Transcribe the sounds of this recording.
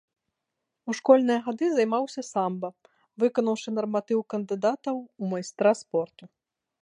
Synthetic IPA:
uʂkɔlʲnɨjɐɣad̪ɨzajmawsʲɐsambɐ | vɨkɐnɐwʂɨnɐrmat̪ɨwkɐnd̪ɨd̪at̪ɐwumajst̪ɾaspɔrt̪u

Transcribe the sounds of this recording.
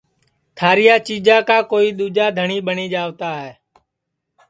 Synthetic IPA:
t̪ʰaːɾɪjaːt͡ʃiːd͡ʒãːkaːkoːiːɗ̪uːd͡ʒaːd̪ʱəɳiːɓəɳiːd͡ʒaːʋt̪aːɦɛː

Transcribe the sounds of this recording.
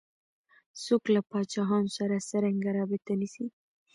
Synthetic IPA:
soklapɑt͡ʃɑɦɑnosaɾasaɾaŋɡaɾɑbɪt̪anisi

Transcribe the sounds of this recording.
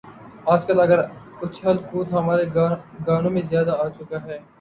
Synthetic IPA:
aːd͡ʒkɐlɐɡəɾkʊt͡ʃʰɦɐlkuːt̪ɦɐmaːɾeɡaːnõmẽzjaːd̪aaːt͡ʃʊkaɦɛː

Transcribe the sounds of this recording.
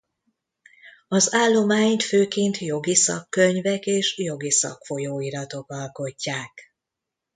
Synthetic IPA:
ɒzaːlːo̞maːɲt̪føːkeːnt̪jo̞ɡisɒ̰kːøɲvɛkeːʃjo̞ɡisɒ̰kfo̞joːiɾɒt̪o̞kɒlko̞cːaːk

